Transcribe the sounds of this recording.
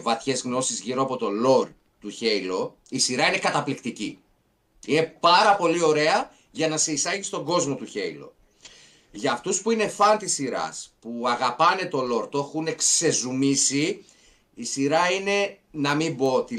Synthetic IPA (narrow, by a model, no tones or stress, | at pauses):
vɐθçe̞zɣno̞sizʝiɾo̞ɐpo̞t̪o̞lo̞ɾ | t̪uçe̞jlo̞ | isiɾɐine̞kɐt̪ɐplikt̪icḭ | ine̞pɐɾɐpo̞lio̞ɾe̞ɐ | ʝɐnɐseisɐʝist̪o̞ɡo̞zmo̞t̪uçe̞̰ilo̞̰ | ʝɐːft̪uspuine̞fɐnt̪isiɾɐ̰spuɐɣɐpɐne̞t̪o̞lo̞ɾt̪oxune̞kse̞zumisi | isiɾɐine̞nɐmimbo̞t̪i